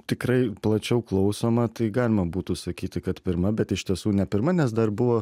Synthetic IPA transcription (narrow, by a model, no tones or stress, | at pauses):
t̪ʲɪkɾɐɪplˠɐt͡ʃʲɛʊklˠɐʊsoːmɐt̪ɐɪɡɑːlʲɪmɐbuːt̪usɐkʲiːt̪ʲɪkɐt̪pʲɪɾmɐbʲɛt̪ɪʃʲt̪ʲiɛsuːnʲɛpʲɪɾmɐnʲɛs̬d̪ɐrbʊʋoː